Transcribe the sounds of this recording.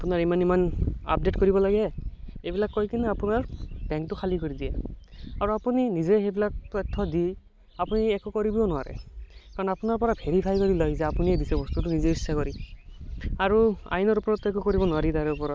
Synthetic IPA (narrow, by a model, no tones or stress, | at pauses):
apunaɹimanimana̰p̚detkoɹibɔlaɡɛejbilakːojkinɛapunaɹb̥ɛ̃ŋktʊxʰalikoɹidijɛaɹuapuninizɛxebilak̚tɔtʰːɔdi | apuniɛkukɔɹibionʊwa̰ɹɛ̰kaɹɔnɔapunaɹpɔɹabʱeɹipʰajkɔɹilɔjzɛapuniɛbisɛbɔst̪ut̬unizeisakɔɹi | aɹua̰jnɔɹupɔɹɔtːuɛkukɔɹibɔnʊwaɾitaɹɛupɔɹɔt